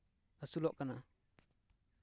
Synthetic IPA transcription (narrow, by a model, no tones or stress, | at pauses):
asulɔʔkana